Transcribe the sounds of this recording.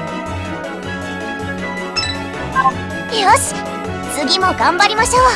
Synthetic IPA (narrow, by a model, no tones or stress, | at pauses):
a | ios | t͡sɨɡʲimo̞ɡãmbaɾʲimaɕoβa